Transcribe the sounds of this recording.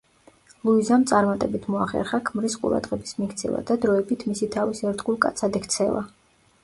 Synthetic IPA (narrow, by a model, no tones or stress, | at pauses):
lˠuizamt̪sʼaɾmat̪ʼɛbit̪ʰmɔaχɛ̰ɾχakʰmɾisqʼṵɾa̰d̪ʁɛbismikt̪sʰɛ̰va̰d̪ad̪ɾɔɛbit̪ʰmisit̪ʰavisɛɾd̪ɡulˠkʼa̰t̪sʰad̪ɛkʰt̪sʰɛva̰